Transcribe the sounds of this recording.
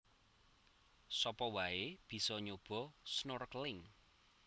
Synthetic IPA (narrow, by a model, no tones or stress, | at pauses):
sɔpɔwaeb̥i̤sɔɲob̥ɔ̤snorklɪŋ